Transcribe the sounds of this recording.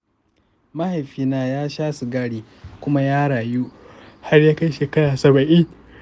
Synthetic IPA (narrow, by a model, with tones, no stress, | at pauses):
ma˦ha˨jɸiː˦naː˦jaː˦ʃaː˦su˨ɡaː˦ɽiː˨ | kʷʊ˦ma˦jaː˦ɽaː˨ju˦ | ha˦rjaː˦ka˦jʃeː˨kɐ˦ɽaː˨sɐ˨bɐ˨ʔɪ˦ŋ